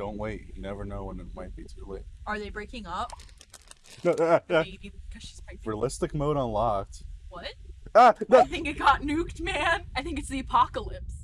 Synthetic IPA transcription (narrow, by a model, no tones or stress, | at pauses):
d̥õʊ̃nʔweɪt̚ɨnɛvə˞noʊwə̃nɨt̚maɪt̚b̥itʰʉleɪt̚ə˞ðeɪbɹeɪkɪ̃ŋʌp̚ | noʊæebikʰʌz̥ʃi̥z̥pɹ̥aɪsɹilɪstɨk̚moʊɾn̩lɔktwʌt̚ʌnoɪθɪ̃ŋkɨt̚ɡ̥ɑtⁿnʉkt̚mæ̃naɪθɪ̃ŋkɨtsðiɨpʰɑkəlɪps